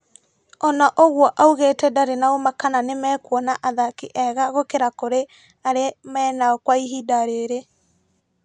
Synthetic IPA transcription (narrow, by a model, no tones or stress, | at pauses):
ɔnaʔoɣwɔʔauɣetɛdaɾenaomakananemɛːkwɔnaʔaðakiʔɛɣaɣokeɾakoɾe | aɾemɛːnaɔkwaiɦidaɾeɾe